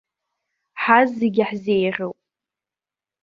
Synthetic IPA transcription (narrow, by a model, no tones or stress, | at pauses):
ħazeɡʲɪħzejrʲɨwpʼ